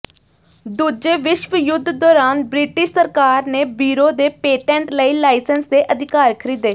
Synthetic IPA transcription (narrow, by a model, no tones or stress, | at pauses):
d̪uːd͡ʒeːʋɪʃʋəjʊd̪ʱd̪ɔːɾaːnbɾɪːʈɪʃsəɾkaːɾneːbiːɾoːd̪eːpeːʈɛ̃ːɳʈləiːlaːɪsənsd̪eːʔəd̪ʱɪkaːɾkʰəɾiːd̪eː